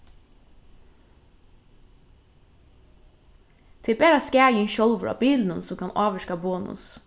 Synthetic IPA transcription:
t̪ʰɪbæːɾɑskæːjɪnʃɔlʋəɾɑ̰ːbiːln̩ənsɔmkʰɑnʔɑːʋəʃkɑboːnʊ̰s

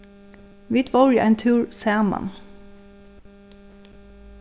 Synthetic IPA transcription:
ʋɪt̪ʰʋɔːɹiːʔɛɪnt̪ʰʉːɹsæːmɑ̰n

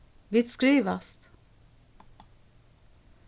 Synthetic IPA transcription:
ʋɪt̪skɾiːʋast̪

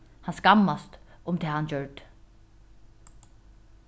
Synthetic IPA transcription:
hanskamːast̪ʊmt̪ʰɛːhand͡ʒœɹt̪

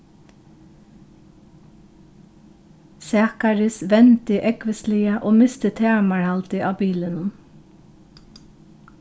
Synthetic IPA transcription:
sɑːkɑɹɪsʋɛnt̪ɪʔɛkʋəsliːɑʔoːmɪst̪ət̪ʰæːmɑɹhɑlt̪ɪʔɑːbiːlənən

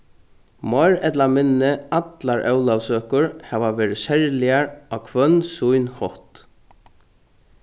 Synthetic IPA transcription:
mɔjɾɛt̪lamɪnːɪat̪laɹʔœwlaʋsøːkʊɹhɛːʋaʋɛːɾɪsɛɹlɪaɹaːkʰʋœnsujnhɔht̪

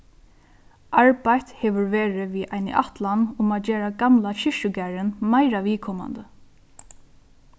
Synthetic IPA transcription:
ʔaɹbajt̪hɛːʋʊɹʋeːɹɪʋiʔa̰jnɪ̰ʔat̪lanʊmaːd͡ʒeːɹaɡamlaɕɪʃʊɡæːɹɪnmaɪɾaʋiːkʰɔma̰nd̪ə

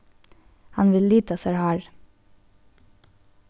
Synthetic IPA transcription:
hɑnʋɪlliːt̪ɑsæɾhæːɹ

